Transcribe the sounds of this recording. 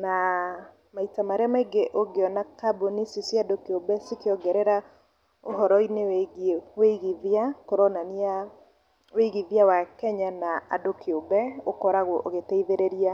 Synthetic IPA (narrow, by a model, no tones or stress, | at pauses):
na | maitamaɾeamaiɡeʔoɡeɔnakabonisisjadokiobɛsikeɔɡɛɾɛɾa | oɦɔɾɔineweweiɣiðjakoɾɔnania | weɣiðjawakɛɲanaadokiobɛokɔɾaɣwɔʔoɣetɛiðeɾeɾia